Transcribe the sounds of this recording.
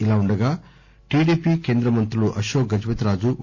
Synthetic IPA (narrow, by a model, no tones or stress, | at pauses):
ilaːuɳɖɐɡaː | ʈiːɖiːpike̞ːnd̪ɾɐmɐnt̪ɾuluʔɐʃoːɡɐd͡ʒʋɐt̪ɾaːd͡ʒu